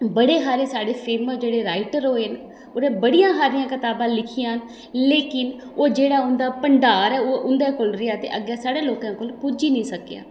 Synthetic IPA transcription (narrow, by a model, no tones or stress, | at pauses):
bəɽeːɦaːɾeːsaːɽeːpʰeːməsd͡ʒeːɽeːɾaːɪʈəɾɦoːen | oːnẽːbəɽijãːsaːɾɪjãːkɪt̪aːbãːlɪkʰijãːn | leːkɪnoːd͡ʒeːɽaːʊnd̪aːpəɳɖaːɾɛːoːʊnd̪eːkolɾɪjaːt̪ḛːʔəɡɛːsaːɽeːloːkãːkoːlpud͡ʒiːnĩːsəkejã̰ː